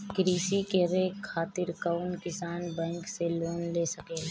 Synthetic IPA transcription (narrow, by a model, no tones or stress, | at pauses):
kɾiːsikeɾeːkʰaːt̪ɪɾkaʊnkɪsaːnbɛ̃ŋkseloːnleːsəke